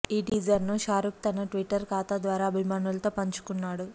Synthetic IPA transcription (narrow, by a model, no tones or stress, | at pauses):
iːɖiːd͡ʒɐɾnuʃaːɾuk̚t̪ɐnɐʈʋiʈːɐɾkaːt̪ɐd̪ʋaːɾaːɐbʱimaːnulɐt̪o̞ːpɐɲt͡ʃu̥kunːaːɽu